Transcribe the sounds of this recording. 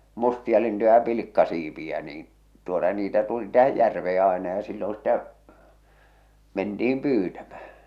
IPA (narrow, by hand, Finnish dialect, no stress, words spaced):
mustiɑlintujɑ jɑ pilikːɑsiːpiæ niːn tuotɑ niːtæ tuli tæhæj jærʋeː ɑenɑ jɑ silːõː sĭtæ mentiim pyːtæmæ̥h̞æ̥